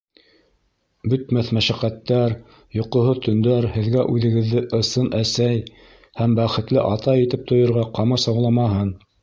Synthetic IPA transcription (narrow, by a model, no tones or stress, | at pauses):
bɵ̆t̪mæθmæʃæqæt̪ːæɾ | jŏqŏɦoðt̪ɵ̆nd̪æɾhɘ̆ðɡæʔʉðɘ̆ɡɘ̆ðːɘʔɤ̆sɤnʔæsæj | hæmbæχɘ̆t̪lɘʔɑt̪ɑjĭt̪ɘp̚t̪ʰŏjŏɾʁɑqɑmɑsɑwlˠɑmɑɦɤn